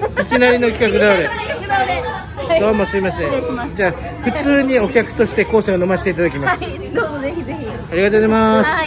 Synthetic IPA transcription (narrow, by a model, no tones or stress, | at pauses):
ikʲinaɾʲino̞kʲi̥kakɯd̪aɾe | d̪oːmosɨɾʲimasɨed͡ʑaː | ɸɯ̟t͡sɨːɲ̟io̞kʲakɯ̟̥t̪o̞ɕi̥t̪e̞ko̞ːɕẽono̞maɕi̥t̪e̞it̪ad̪akʲimasɨ | aɾʲiɡat̪oemas